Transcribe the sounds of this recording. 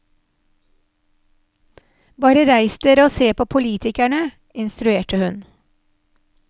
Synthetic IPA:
bɑːɾəɾæɪst̪ʰɪɾoːseːpʰoːpʰʊliːt̪ʰɪkæɳə | ɪnst̪ɾʉeːʈəhʉn

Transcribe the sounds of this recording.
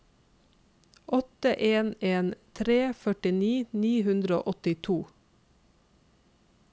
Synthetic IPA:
ʔɔt̪əʔeːneːnt̪ʰɾeːfœʈɪniːniːhʉnd̪ɾəo̰ːʔɔt̪ɪt̪ʰuː

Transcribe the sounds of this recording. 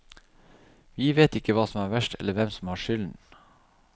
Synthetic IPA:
ʋiːʋeːt̪ɪkːəʋɑːsɔmæːɾʋæʃʈʰɛ̰ləʋɛmsɔm̩hɑːʃʏln

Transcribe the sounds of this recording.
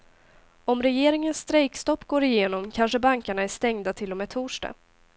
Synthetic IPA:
ɔmɾɛjeːɾɪŋənst̪ɾɛjkst̪ɔpːɡoːɾɪjeːnɔmkʰanʂəbaŋkaɳaæʂt̪ɛŋd̪at̪ʰɪlːɔmɛːt̪ʰuːʂʈa̰

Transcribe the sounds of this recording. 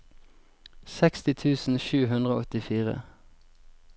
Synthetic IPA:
sɛkst̪ɪt̪ʰʉːsn̩ʃʉːɦʉnd̪ʁəo̰ːɔt̪ɪfiːʁə̰

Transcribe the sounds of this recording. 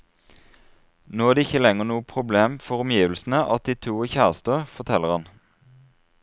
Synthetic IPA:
noːæːd̪eːɪçəlɛŋəʁnuːəpʰʁʊbleːmfɔʁɔmjiːʋl̩sn̩əʔɑt̪̚d̪iːt̪ʰuːəçæːʁst̪əfɔt̪ʰɛlːəʁhɑn

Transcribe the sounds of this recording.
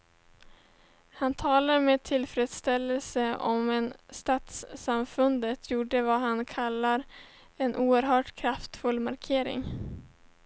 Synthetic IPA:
hant̪ʰɑːlaɾmeːt̪ʰɪlfɾeːd̪st̪ɛlːəlsəɔ̰mɛnst̪ɑːt̪sːamfɵnd̪ət̪ʰjuːɖəvaɦankʰalːaɾ | ɛnʔuːəɾɦœːʈkʰɾaft̪fɵlːmaɾkʰeːɾɪ̰ŋ

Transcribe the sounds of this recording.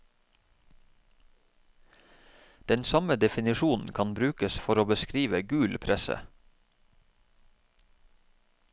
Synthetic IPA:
d̪̥ɛnsɑməd̪ɛfɪnɪʃuːnn̩kʰɑnbɾʉːkəsfɔɾoːbəskɾiːʋəɡʉːlpʰɾɛsə̰

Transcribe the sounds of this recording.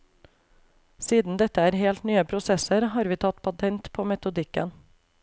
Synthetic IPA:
siːd̪n̩d̪ɛt̪əæːɾheːlt̪nyːəpʰɾʊsɛsəɾhɑːɾʋiːt̪ʰɑt̪pʰɑt̪ʰɛnt̪pʰoːmɛt̪ʊd̪ɪkə̰n

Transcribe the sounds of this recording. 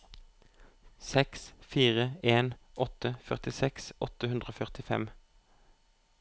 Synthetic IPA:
sɛksfiːʁəeːnʔɔt̪əfœʁt̪ɪsɛksʔɔt̪əhʉnd̪ʁəoːfœʁt̪ɪfɛ̰m

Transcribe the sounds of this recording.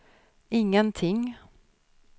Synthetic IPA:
ɪŋːənt̪ʰɪŋ

